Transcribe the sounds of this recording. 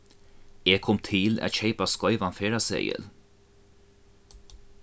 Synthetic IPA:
eːɡ̚kʰɔmt̪ʰɪla̰ːt̪çeɪpaskɔʏʋɑnfeːɹɑsḛɪə̰l

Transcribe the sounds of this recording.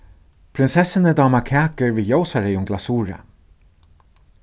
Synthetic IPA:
pʰɾɪnsɛsɪnəd̪aːmakʰæːkəɹviːjoʊsaɹeːjʊŋɡlasuːɹa̰

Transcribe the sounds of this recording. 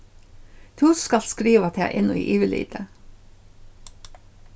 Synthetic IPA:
t̪ʰʉːskɑlskɾiːʋɑt̪ʰɛʔɛnʊḭːʔiːʋɪlḭːd̪ə

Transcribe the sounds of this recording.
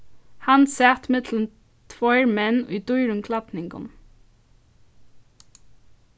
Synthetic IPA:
hansæːt̪mɪt̪lən | t̪ʰʋɔɪɹmɛnʊjd̪ujɾʊŋkʰlat̪nɪŋkʊ̰n

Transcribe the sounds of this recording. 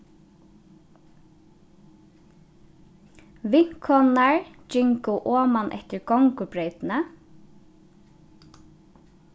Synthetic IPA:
ʋɪŋ̥kʰhɔnaɹd͡ʒɪŋkʊʔoːmanʔɛ̰ht̪ɪɹɡɔŋkʊpɹœʏt̪ɪnə

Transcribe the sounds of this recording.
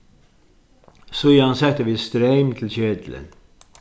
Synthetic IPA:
sʊjɑnsɛk̚t̪əʋɪst̪ɾeɪmt̪ʰl̩çeːd̪lə̰n

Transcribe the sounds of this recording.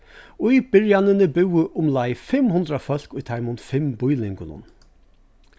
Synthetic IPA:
ʊib̥ɪɹjanənəbʉwəʔʊmlaɪfɪmhʊnd̪ɾafœl̥kʊjt̪ʰaɪmʊnfɪmbʊjlɪŋɡʊnʊ̰n

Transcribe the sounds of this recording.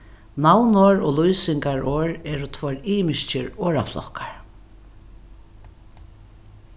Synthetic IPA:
nawnoɹɔːlujsɪŋkaɹʔoːɹɛːɾʊt̪ʰvɔɹiːmɪʃt͡ʃə̰ɹoːɹa̰flɔ̰kḁɹ

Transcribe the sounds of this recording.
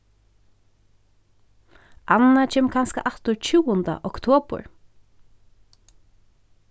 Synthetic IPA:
ʔanat͡ʃʰɛːmkʰanska̰ʔat̪ʊɹt͡ʃʰʉːʊnd̪a̰ʔɔkt̪ʰoːpʊ̰ɹ

